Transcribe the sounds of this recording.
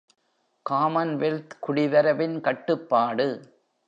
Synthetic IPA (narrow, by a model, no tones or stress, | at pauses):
kaːmɐnʋelt̪kʊɽɪʋɐɾɐʋɪnkɐʈːɯpːaːɽɯ